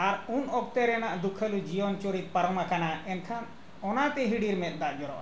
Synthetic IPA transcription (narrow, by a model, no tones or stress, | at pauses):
aɾunɔk̚t̪ɛɾɛnaʔd̪ukʰːəlud͡ʒiɔnt͡ʃoɾit̪̚paɾɔmakanaɛnkʰan | ɔnat̪ɛɦiɽiɾmɛt̪̚ˀd̪aʔd͡ʒɔɾɔ̰ʔ